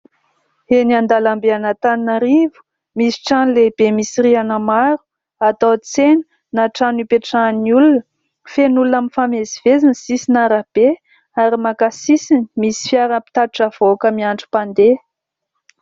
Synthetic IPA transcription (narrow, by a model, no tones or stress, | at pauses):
eniand̪alambeanat̪aninaɾivu̥ | misi̥ʈ͡ʂanlebemisiɾianəmaɾu̥ | at̪ot͡senə̥ | naʈ͡ʂanipeʈ͡ʂaniulunə | fenulunaminfamezivezinsisinaɾab̥e | aɾimakasisinimisi̥fjaɾanəpi̥t̪aiʈ͡ʂav̥okəmiaɳɖ͡ʐi̥pand̪e